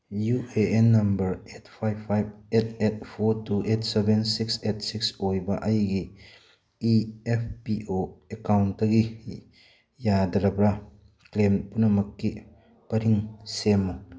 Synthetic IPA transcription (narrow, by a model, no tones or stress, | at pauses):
jueenːɐmbɐɾet̚pʰajbpʰːajb̚et̚et̚pʰoɾtuʔetsɛbensikset̚siksojbɐʔɐjɡi | iɛpʰpiʔoekawntːɐɡi | jadɐɾɐbɾa | klempunɐmɐkːi | pɐɾiŋsemːu